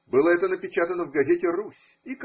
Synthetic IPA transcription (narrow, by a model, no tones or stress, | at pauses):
bɨlˠəɛt̪ənəpʲɪt͡ɕat̪ənəvɡɐzʲetʲɪrusʲ | ik